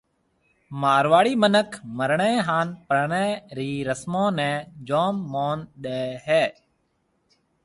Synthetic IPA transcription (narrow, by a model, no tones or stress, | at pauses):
maːɾʋaːɽiːmənəkʰməɾɳẽːɦaːnpɾəɳẽːɾiːɾəsmõːnɛ̃ːd͡ʒoːmːoːnɗeːɦɛː